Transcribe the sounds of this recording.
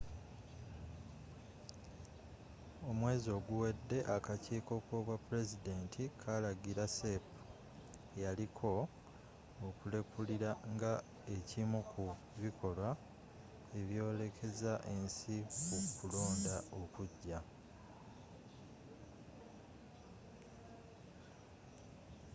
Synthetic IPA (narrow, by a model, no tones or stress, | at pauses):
o̞mwe̞ːzo̞ːɡuwe̞dːe̞ʔakaciːko̞koβwapːuɾe̞zide̞ːntʰikʰalaɡiɾasepu | ejalikʰo̞ | okule̞kuliɾaŋɡa | e̞cimukʰu | βikʰo̞lwa | e̞βjo̞ːle̞kʰe̞zaʔe̞nsikukulo̞ːndao̞kuɟːa